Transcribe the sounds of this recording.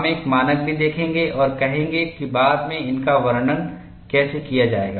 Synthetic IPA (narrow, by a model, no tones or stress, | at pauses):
meːkmaːnək̚bʱid̪eːkʰẽːŋɡeʔɔːɾkɐɦẽːŋɡekibaːd̪mẽɪnkaʋɐɾɳən | kɛːsekijad͡ʒaːḛːɡa̰ː